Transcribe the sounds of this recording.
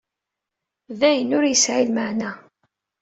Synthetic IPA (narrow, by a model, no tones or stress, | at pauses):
ðæjənʊɾjəsʕilməʕnæ